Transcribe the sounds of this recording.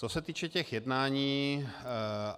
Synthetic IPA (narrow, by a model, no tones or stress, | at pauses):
t͡sosɛt̪iːt͡ʃɛcɛxjɛdnaːɲiː